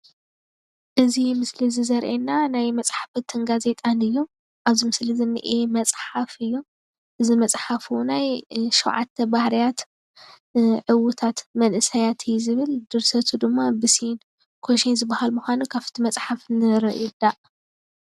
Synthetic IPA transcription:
ʔɨzimɨslizizɐɾʔenːanajmɐt͡sʼħḁfɐt̪ʰɨnɡaze̞t̪ʼanɨjːu | ʔaβzimɨslizɨnːɨ̰ʔemɐt͡sʼħafɨjːu | ʔɨzimɐt͡sʼħafunajʃɛwʕa̰t̪ʰːɐbahɾijat̪ | ʕɨwʊt̪ʰat̪mɐnʔɨsɐjat̪ʰɨjːuzɨβɨld̪ɨɾsɐt̪ʰud̪ɨmːabɨsin | kʰoʃinzɨbːahalmuxʷanukʰafɨ̥t̪ʰimɐt͡sʼħafnɨɾɐʔjud̪aʔ

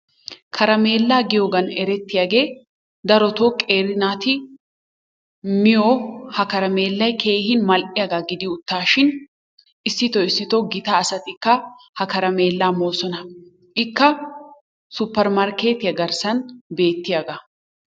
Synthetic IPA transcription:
kʰɐɾɐme̞ːlːaːɡɪjoːɡɐnɛɾɛt̪ːɪjaːɡe̞ː | d̪ɐɾɔt̪okʼe̞ːɾɪnaːt̪ɪ | mɪjohɐkɐɾɐme̞ːlːɐjkʰe̞ːhɪnmɐlʔɪjaɡaɡɪd̪ɪʊt̪ːaːʃɪn | ɪsːɪt̪ɔɪsːɪt̪ɔɡɪt̪ɐːsɐt̪ɪkːɐ | hɐkɐɾɐme̞ːlːaːmoːsɔnɐ | ʔɪkːɐ | sʊpːɛɾmɐɾke̞ːt̪ɪjɐɡɐɾsɐnbe̞ːt̪ːɪjaɡɐ

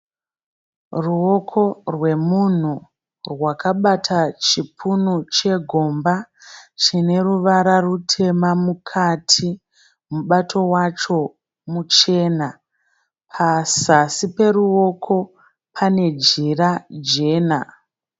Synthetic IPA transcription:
ruo̞kʰo̞rwe̞mun̤u | rwakaɓatʰat͡ʃipʰunut͡ʃe̞ɡʱo̞mbat͡ʃine̞ɾuʋaɾarutʰe̞mamukʰatʰi | muɓatʰo̞wat͡ʃo̞ | mut͡ʃe̞ːna | pʰasasipe̞ruo̞kʰo̞ | pʰane̞d͡ʒirad͡ʒe̞ːna

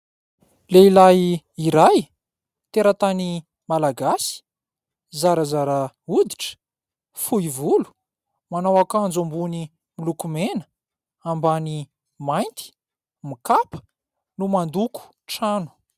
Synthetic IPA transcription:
leilaji | iɾaj | t̪eɾat̪ani | malaɡasi̥ | zaɾəzaɾa | ud̪iʈ͡ʂə̥ | fuivulu̥ | manawakand͡zambuni | milukumenə̥ | ambani | majnt̪i̥ | mikapə̥ | numand̪uku̥ | ʈ͡ʂanu̥

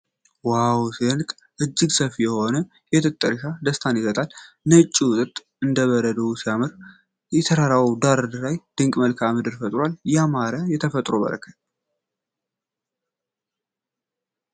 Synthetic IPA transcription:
wawsiɨnkʼ | ʔɨd͡ʒːɪɡsəfijɛho̞nə | jɛt̪ʰɨt̪ʼːəɾʃad̪əst̪ʰanjɪsət̪ʼal | nət͡ʃʼːiwʊt̪ʼɨt̪ʼ | ɨnd̪əβəɾəd̪əwusijamɨɾ | jɛt̪ʰəɾaɾawd̪aɾd̪lajd̪̥ɨŋkʼməlkʰamɨd̪ɨɾfət̪ʼɾwaljamaɾəjɛt̪ʰəfət̪ʼɾobə̰ɾə̰kʰət̪

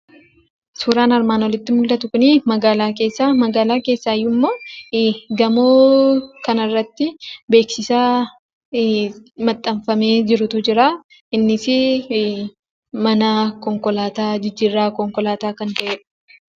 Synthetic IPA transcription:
suːɾaːnɐɾmaːnwɔlɪt̪ːɪmʊld̪ɐt̪ʊkʊnimɐɡaːlaːk̬e̞ːsːaːmɐɡaːlaːke̞ːsːaːɪjːʊmːo̞ː | ɡɐmoːkɐnɐrːɐt̪ːɪbe̞ːksɪsaː | mɐt̪ʼːɐmfɐme̞ːd͡ʒɪɾʊt̪ʊd͡ʒɪɾaː | ɪnːɪsɪ | mɐnakɔŋkɔlaːt̪aːd͡ʒɪd͡ʒːiːrːaːkɔŋkɔlaːt̪aːkɐnt̪ɐʔeːᶑɐ̥

